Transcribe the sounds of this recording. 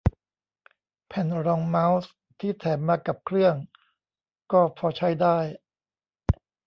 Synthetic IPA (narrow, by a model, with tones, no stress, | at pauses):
pʰɛ˨˩nɾɔː˧ŋma˦˥ws | t̪ʰiː˥˩t̪ʰɛː˩˦nmaː˧ka˨˩p̚kʰɾɯ˥˩əŋ | kɔː˥˩pʰɔː˧t͡ɕʰa˦˥jdaː˥˩j